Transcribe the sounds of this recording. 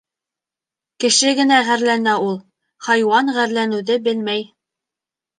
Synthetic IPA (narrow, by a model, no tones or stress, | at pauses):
kɘ̆ʃɘɡɘ̆næʁæɾlænæulˠ | hɑjwɑnʁæɾlænɘ̆wðɘbɘlmæj